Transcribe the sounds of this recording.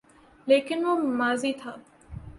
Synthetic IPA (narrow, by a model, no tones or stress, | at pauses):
leːkɪnʋoːmaːziːt̪ʰaː